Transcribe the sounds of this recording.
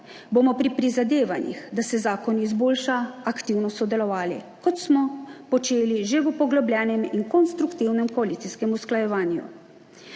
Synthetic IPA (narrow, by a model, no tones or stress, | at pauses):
bomɔpɾipɾizad̪eːʋanjḭxd̪asɛzaːkɔnːzboːlʃaakt̪iwnɔsɔd̪ɛlɔʋaːlḭ | kɔt̪smɔpɔt͡ʃeːliʒeʋupɔɡlɔblʲjɛːnɛminkɔnst̪ɾukt̪iwnɛmkɔalit̪iskɛmusklajɛʋaːnjṵ